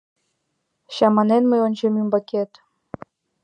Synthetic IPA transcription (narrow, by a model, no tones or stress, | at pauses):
ɕɑmɑnenmɤjonʲd͡ʑemymbɑkʲet̪